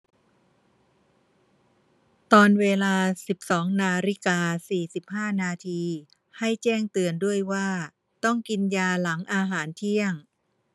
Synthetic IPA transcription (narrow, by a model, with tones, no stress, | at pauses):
t̪ɔː˧nweː˧laː˧si˨˩p̚sɔː˩˦ŋnaː˧ɾi˦˥kaː˧siː˨˩si˨˩p̚haː˥˩naː˧t̪ʰiː˧ | ha˥˩jt͡ɕɛː˥˩ŋt̪ɯ˧əndu˥˩əjwaː˥˩ | t̪ɔ˥˩ŋki˧njaː˧la˩˦ŋʔaː˧ɦaː˩˦nt̪ʰi˥˩əŋ